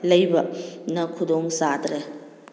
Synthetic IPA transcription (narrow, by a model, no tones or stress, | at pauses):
lɐjbɐnɐkʰudoŋsadɾe